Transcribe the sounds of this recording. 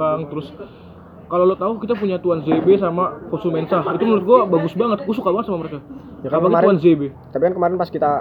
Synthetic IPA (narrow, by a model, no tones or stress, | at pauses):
aŋt̪əɾʊs | kalolot̪aukit̪ap̬uɲat̪uanzebesamakɔnsumensait̪umənuɾʊt̪̚ɡuabaɡʊsbaŋət̪̚kusukabaŋət̪samaməɾeka | akapakɾuanzebe | t̪apikankəmaɾɪnpaskit̪a